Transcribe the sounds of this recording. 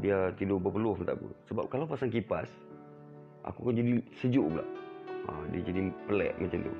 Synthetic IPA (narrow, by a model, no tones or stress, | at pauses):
diat̪idʊbəpəlʊhmənt̪a̰ʔpṵsəba̰p̚kalawpasaŋk̬ipas | ʔa̰kukand͡ʒadisəd͡ʒuʔpula̰ʔa̰dḭad͡ʒadipəlɛ̰ʔŋant͡ʃəndṵ